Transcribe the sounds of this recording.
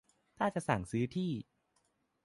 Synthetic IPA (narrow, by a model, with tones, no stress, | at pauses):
t̪ʰaː˥˩t͡ɕa˨˩ʔsa˨˩ŋsɯː˦˥t̪ʰiː˥˩